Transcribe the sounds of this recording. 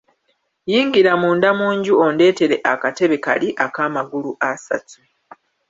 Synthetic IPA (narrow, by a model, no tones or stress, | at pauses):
jiːŋɡiɾamuːndamuːɲɟuo̞nde̞ːte̞ɾe̞ʔakate̞βe̞ka̰liʔakaːmaɡuluʔasa̰tu